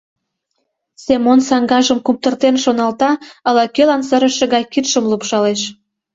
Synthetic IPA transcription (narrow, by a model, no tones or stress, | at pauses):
semonsɑŋɡɑʒəmkup̚t̪ərt̪enʃonɑlt̪ɑəlɑkølɑnsə̆ɾə̆ʃĕɣɑjkit̪ʃəmlupʃɑleʃ